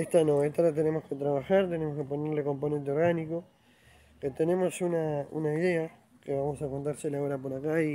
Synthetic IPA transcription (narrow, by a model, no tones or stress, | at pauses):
eht̪anoet̪alat̪e̞nemo̞sket̪ɾaβaxaɾt̪e̞nemoskepo̞neɾle̞ko̞mpo̞ne̞nt̪eo̞ɾɣaniko̞ | ket̪ene̞mo̞sunaṵnaiðea | keβamo̞sakont̪̬aɾselaoɾapo̞ɾakai